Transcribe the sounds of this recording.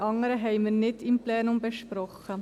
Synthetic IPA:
ʔɑŋəɾəɦɛɪməɾnɪdɪmplɛːnʊmbɛʃpɾɔχːə

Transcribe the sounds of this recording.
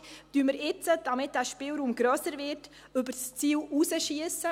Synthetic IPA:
tyəməɾɪt͡səd̥ɑmɪt̚d̥æːʃpɪlɾuːmɡɾœsəɾvɪːt | ʏbəɾst͡siːluːsəʃiəsə

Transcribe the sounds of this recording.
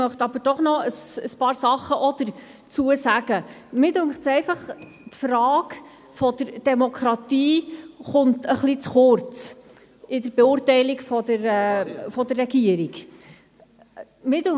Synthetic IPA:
mœχt̪ɑb̥əɾd̥ɔχnɔəsəspɑːɾsɑχːəʔɔd̪̥əɾ | t͡suəsæɡ̥əmɪdʉŋχtsɛɪfɑχ | tfɾɑːk | fɔd̪əɾd̥ɛmɔkʰɾɑt̪iːχʊntʰəχlit͡sχʊɾt͡s | ɪdəɾbɛʊːrtɛɪlikfɔd̪əɾɛːfɔdərːɛɡiəɾiɡ | mɪdø

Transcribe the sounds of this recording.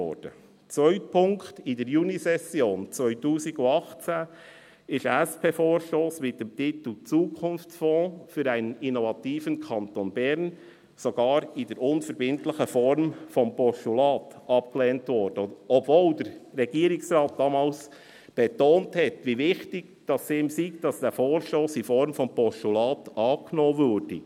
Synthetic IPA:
ɔ̰ɾd̥ə | t͡sʋœʏt̚pʰʊŋktɪdɛɾjuːnisɛsjoːnt͡sʋœʏtuːsɪɡʊɑχt͡sæ | ɪʃæspʰeːfoːɾʃtoːsmɪt̚d̥ɛmtit̪l̩t͡suːkʰʊnft͡sfɔ̃ːfyɾæɪnəninovɑtiːfənkʰɑntonbɛɾn | soɡ̥ɑːɾɪd̥əɾʊnfəɾbɪntləχəfɔɾmfɔmpɔʃtulɑːtʔɑp̚kleːntvɔɾd̥əɔbvoːldəɾɾɛɡ̥iːɾɪksɾɑːt̚d̥ɑmɑls | b̥ɛtoːnthɛtʋivɪχtɪɡ̚ | d̥ɑseːmsiːkd̥ɑsd̥ɛːfoːɾʃtoːsɪfɔɾmfɔmpɔʃtulɑːtɑːknoːvøɾd̥ə

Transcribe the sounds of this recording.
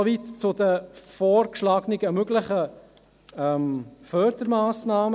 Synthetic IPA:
oʋitt͡sʊd̪əfoːɾkʃlɑːɡnɪɡ̥əmøɡləχə | ɛmfœːd̪̥əɾmaːsnaːm

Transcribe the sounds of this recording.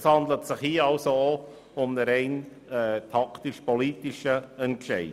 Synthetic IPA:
shɑndlətsɪχhiɑlsoo | ʊmnəɾɛɪn | ɛːtʰɑkt̪ɪʃpɔliːtɪʃəɛntʃɛɪ

